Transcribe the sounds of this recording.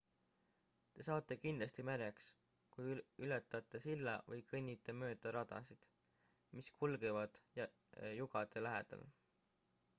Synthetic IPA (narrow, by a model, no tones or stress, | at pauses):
t̪e̞sɑːt̪ːˑe̞kind̪lɑst̪imeɾeks | kujylet̪ːˑɑt̪ːˑe̞silːɑvɤjkʰɤnʲːit̪ːˑemø̞ːd̪̥ɑɾɑd̪ɑ̰sid̪̥ | miskʰulɡ̥evɑd̪̥jɑ | juɡ̥ɑd̪̥e̞læɦe̞̰d̪̥ɑ̰l